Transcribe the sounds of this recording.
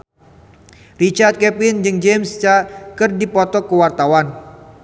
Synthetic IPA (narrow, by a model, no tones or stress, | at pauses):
rit͡ʃart̪̚kɛpɪnd͡ʒɨŋd͡ʒemst͡ʃakɨrdipɔt̪ɔkəwart̪awan